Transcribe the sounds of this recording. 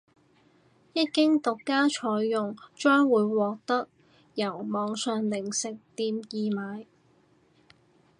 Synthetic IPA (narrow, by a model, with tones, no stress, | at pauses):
jɐ˥t̚kɪ˥ŋt̪ʊ˨kːaː˥t͡ʃʰɔː˨˧jːʊ˨ŋt͡ʃœː˥ŋwuː˨˧jwɔː˨k̚t̪ɐ˥k̚ | jɐ˨˩wmɔː˨˧ŋsœː˨ŋlɪ˨˩ŋsɪ˨k̚t̪iː˧mjiː˨˧maː˨˧j